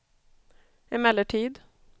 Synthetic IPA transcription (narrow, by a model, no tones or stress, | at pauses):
ɪmɛləʈʰiːd̪